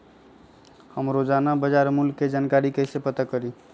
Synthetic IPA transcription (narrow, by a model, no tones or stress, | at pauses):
həmɾod͡ʒanabəd͡ʒaɾmulkːed͡ʒankaɾikəsepət̪əkəɾi